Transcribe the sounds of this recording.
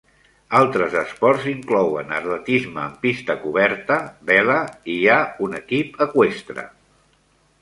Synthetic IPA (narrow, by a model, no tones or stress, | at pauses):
alˠt̪ɾəzəspɔɾziŋklɔwənərlət̪izməːmpist̪əkuβɛɾt̪əβɛləiaunəkipəkwest̪ɾə̰